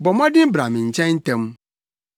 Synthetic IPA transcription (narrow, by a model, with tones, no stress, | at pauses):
bɔ˨mã˦dɪ̃˦m˦bɾa˨mɪ̃˨ɲ̩˨t͡ɕʰɛ̃˦n̩˦tɛ̃˦m˦